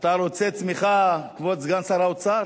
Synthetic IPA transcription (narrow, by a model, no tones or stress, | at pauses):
t̪aɾot͡set͡smiχakvotzɡansaɾaot͡sa